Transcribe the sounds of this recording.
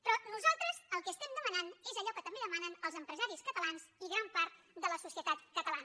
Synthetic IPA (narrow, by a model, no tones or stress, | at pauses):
pɾɔnuzalˠt̪ɾəzəlˠkɛːst̪ɛmd̪əmənanezəʎɔkət̪əmbeðəmanənəlˠzəmpɾəzaɾiskət̪əlanziɣɾampaɾt̪ | d̪ələsusiət̪at̪kət̪əlan